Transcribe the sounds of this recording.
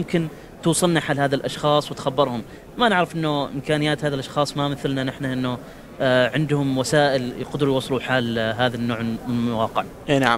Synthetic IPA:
mkɪn | t̪uːsˤɨlnaħaːlhaːðalʔɑʃxɑːsˤwɪt̪xabːɪɾˤhʊm | manɪʕɾɑfʔɪnːʊʔɪ̰mkaːnɪjːaːt̪haːðalʔɑʃxɑːsˤmamɪθlnanɪħnaʔɪnːʊ | ʕɪnd̪hʊmwasaːʔɪlqʊd̪ɾujwɑsˤːluħaːlɦaːðanːoːʕɪmawɑːqɪʕ | enaʕ

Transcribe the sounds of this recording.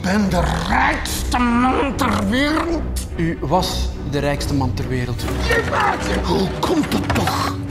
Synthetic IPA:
b̥ɛndərɛjkstəmɑntərʋeːɾəlˠt | yʋɑs | dəɾɛjkstəmɑntərʋeːɾəlˠtəmaːtəhukʰɔmtətːɔx

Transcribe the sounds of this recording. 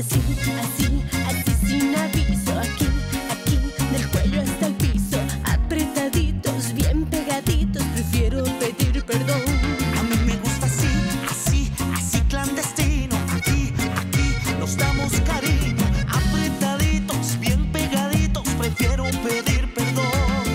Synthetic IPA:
siasiasisinapisoakiakiðe̞lkwe̞̰ʎoest̪alpisoa̰pɾet̪aðit̪ozβjempe̞ɣaðit̪ospɾe̞fje̞ɾope̞ðiɾpe̞ɾðonamĩme̞ɣust̪asia̰sia̰sikland̪e̞st̪inoakia̰kinozd̪amoskaɾiɲoapɾet̪aðit̪ozbjempe̞ɣaðit̪ospɾe̞fje̞ɾope̞ðiɾpeɾðon

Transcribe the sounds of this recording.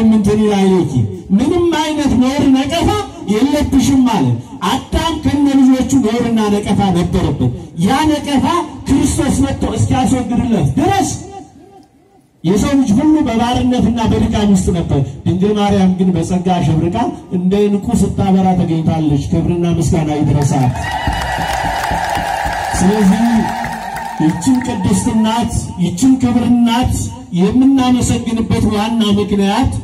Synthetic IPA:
mːɨnt̪ʰɨnilajlek̪ːḭmɨnɨmːajnət̪məwɾɨnəkʼəfajɛlːəbːɨʃɪmːalət̪ | ʔad̪amkʰəɨnːəlɨd͡ʒwo̞t͡ʃːuməwɾɨnːanəkʼəfanəbːəɾəbːɨt̪janəkʼəfakʰɨɾɨst̪ʰo̞smət̪ʰːoɨskijaswɔɡːɨɾɨlːət̪d̪ɨɾəs | jɛsonɨt͡ʃːhulːubəβaɾɨnːət̪ɨnːabəɾɨkʼamɪst̪ʼnəbːəɾd̪̥ɨŋɡəmaɾɪjamɡɨnbəsʼəɡaʃ̬ɛβɾɨkʼaʔɨnd̪ajnɨkʼusɨt̪ʼːaβəɾat̪ʰəɡəɲːɪt̪ʰalːət͡ʃːkʰɨβɾɨnːamɨsɡanajɛt̪ɨɾəsat̪ | sɨləzːih | jɪt͡ʃːɨmkʼəd̪ːɨst̪ɨnːat̪ | jɪt͡ʃːɪnkʰɨβɾɨnːat̪ | jɛmːɨnːaməsəɡːɨnɨbːət̪wanːamɨknijat̪

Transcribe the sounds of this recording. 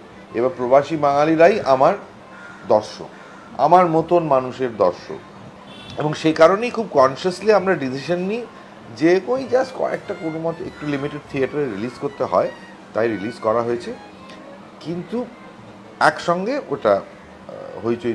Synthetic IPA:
ebapɾobaʃibaŋaliɾajʔamaɾ | d̪ɔɾʃo̰k | a̰maɾmot̪onmanuʃeɾd̪ɔɾʃo̰k | eboŋʃekaɾonejkʰub̚kɔnʃasliamɾaɖisiʃanːi | d͡ʑekojd͡ʑaskɔ̰ɛ̰k̚ʈakonomɔt̪oḛk̚ʈulimiʈeɖ̚t̪ʰiaʈaɾeɾilizkoɾt̪eɦɔ̰e | t̪ajɾilizkɔɾaɦoet͡ɕʰe | kint̪u | ɛkʃɔŋɡeoʈa | ɦojt͡ɕo

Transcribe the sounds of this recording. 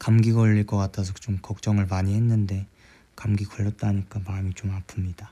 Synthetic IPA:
kamɡiɡaʌʎːiɭk͈ʌk͈atʰasʰʌt͡ɕomkʌk̚t͡ɕ͈ʌŋɯɭmaɲiɦenːɯnde̞ | kamɡiɡʌɭːʌt̚t͈aɲik͈amamit͡ɕomapʰɯmɲid̥a

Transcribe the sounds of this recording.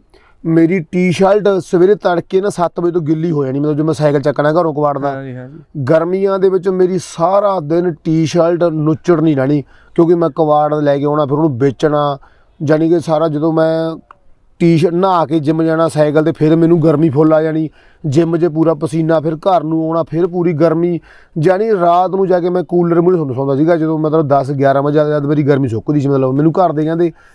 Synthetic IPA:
meːɾiːʈiːʃaːlʈsəʋeːɾeːt̪əɽkeːnaːsət̪ʰbəit̪̬õːɡɪlːiːɦoːd͡ʒaːniːmɛt̪ːd͡ʒoːmɛ̃ːsaːkəlt͡ʃəkːnaːɡəɾõːkəʋaːɽd̪aːɡəɾmiːãːd̪eːʋɪt͡ʃmeːɾiːsaːɾaːd̪ɪnʈiːʃəlʈnʊt͡ʃːəɽnĩːd͡ʒãːñiː | kjõːkɪmɛ̃ːkəʋaːɽlɛːkeːɔːnãːpʰɪɾoːnũːbeːt͡ʃɳaː | d͡ʒaːnĩːkesaːɾaːd͡ʒəd̪õːmɛ̃ː | ʈiːʃnaːkeːd͡ʒɪmd͡ʒaːnaːsaːɪk̬əlt̪̬eːpʰɪɾmɛ̃ːnũːɡəɾmĩːpʰoːlaːd͡ʒaːniː | d͡ʒɪməd͡ʒeːp̬uːɾaːpəsiːnaːpʰɪɾkəɾnũːoːɽaːpʰɪɾp̬uːɾiːɡəɾmiː | d͡ʒaːneːɾaːt̪nũːd͡ʒaːkeːmɛ̃ːkuːləɾmʊːsõːsɔ̃ːnd̪aːsiːɡaːd͡ʒəd̪õːmət̪ləbd̪əsɡjaːɾãːmãːd͡ʒaːd̪d͡ʒaːd̪meːɾiːɡəɾmĩːsoʊkːd̪iːsimət̪ləbmɛ̃ːnũːkəɾd̪eːkɛ̃ːnd̪eː

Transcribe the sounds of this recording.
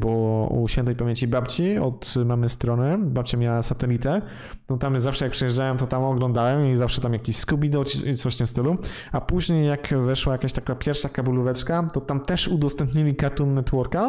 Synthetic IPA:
bɔwɔṵɕfʲɛnt̪ɛjpamʲjẽɲt͡ɕibapt͡ɕiɔt̪mamɘst̪ɾɔnɘbap̚t͡ɕamʲjawasat̪ɛlʲit̪ɛ | nɔt̪amzafʂɛjakpʂɛjɛʐd͡ʐawɛmt̪ɔt̪amɔɡlɔnd̪awɛmizafʂɛt̪amjakʲiɕskubʲid̪ɔt͡ɕit̪sɔɕt̪ɛmst̪ɘluapuʑɲejːakvɛʂwajakaɕt̪akapʲjɛɾfʂakabuluvɛt͡ʂkat̪ɔt̪amt̪ɛʂud̪ɔst̪ɛ̃mpɲilʲikaɾt̪unːɛt̪wɔɾka

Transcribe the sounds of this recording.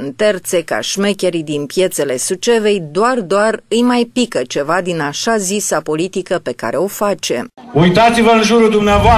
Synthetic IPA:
ɨnt̪e̞rt̪se̞ka̰ʃme̞kʲe̞ɾid̪inpje̞t̪se̞le̞sut͡ʃe̞ve̞jd̪oard̪oarɨjmajpikət͡ʃe̞vad̪inaʃazisapo̞lit̪ikəpe̞ka̰ɾe̞o̞fat͡ʃe̞̰ujt̪at̪sivəɨnʒuɾud̪umneavoa

